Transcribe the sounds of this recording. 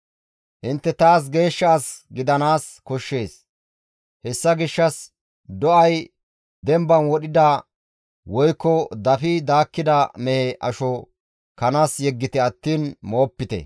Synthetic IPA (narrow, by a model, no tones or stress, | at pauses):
ʔɪnt̪ːɛt̪aːs̬ɡe̞ːʃːaːsɡɪd̪ɐnaːskɔʃːe̞ːs | hɛsːɐɡɪʃːɐs | d̪ɔɐj | d̪ɛmbɐnwɔɗɪd̪ɐ | wɔjkːɔd̪ɐfid̪aːkːɪd̪ɐmɛhɛʔɐʃɔ | kɐnaːsjɛɡːɪt̪ɪɐt̪ːiːnmo̞ːpːɪt̪ɛ̰